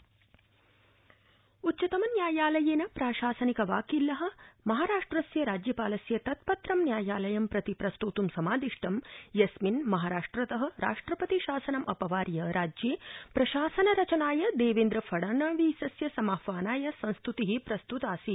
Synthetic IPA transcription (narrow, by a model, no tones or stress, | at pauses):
utːt͡ʃɐt̪ɐmɐnjaːjaːlɐjeːnɐpɾaːʃaːsɐnikɐʋaːkilːɐɦɐ̆mɐɦaːɾaːʂʈɾɐsjɐɾaːd͡ʒjɐpaːlɐsjɐt̪ɐt̪̚pɐt̪ɾɐmnjaːjaːlɐjɐmpɾɐt̪ipɾɐst̪uːt̪umsɐmaːd̪iʂʈʰɐmjɐsminmɐɦaːɾaːʂʈɾɐt̪ɐɦɐ̆ɾa̰ːʂʈɾɐpɐt̪iʃaːsɐnɐmʔɐpɐʋaːɾjɐɾaːd͡ʒjeːpɾɐʃaːsɐnɐɾɐt͡ʃɐnaːjɐd̪eːʋeːnd̪ɾɐfʰɐɽɐːnaːʋisɐsjɐsɐmaːfʋaːnaːjɐsɐ̃nst̪ut̪iɦipɾɐst̪ut̪aːsi